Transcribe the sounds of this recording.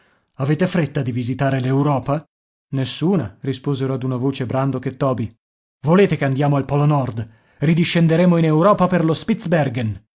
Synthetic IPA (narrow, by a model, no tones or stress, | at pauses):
aveːt̪efɾet̪ːad̪ivizit̪aːɾelewɾɔːpa | nesːuːnarispoːzeɾoad̪unavoːt͡ʃebɾand̪oket̪ːɔːbi | voleːt̪ekeand̪jaːmoalpɔlonɔrd̪ | rid̪iʃːend̪eɾeːmoinewɾɔːpaperlospit̪sbɛrɡen